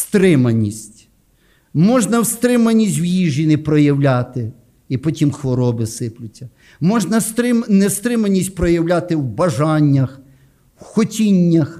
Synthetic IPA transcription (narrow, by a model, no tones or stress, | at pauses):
st̪ɾɪmɐnʲisʲtʲ | mɔʒnɐwst̪ɾɪmɐnʲisʲtʲwjiʒʲinɪpɾɔjɐwlʲat̪ɪ | ipɔtʲimxʋɔɾɔbɪsɪplʲʊt͡sʲːɐ | mɔʒnɐst̪ɾɪmnɛst̪ɾɪmɐnʲisʲtʲpɾɔjɐwlʲat̪ɪwbɐʒɑnʲːɐx | wxɔtʲinʲːɐx